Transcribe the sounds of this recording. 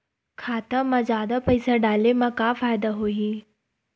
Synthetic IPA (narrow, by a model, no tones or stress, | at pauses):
kʰaːt̪amãzjaːd̪apɐɪsaɖaːlemãkaːfaːɪd̪aɦuiː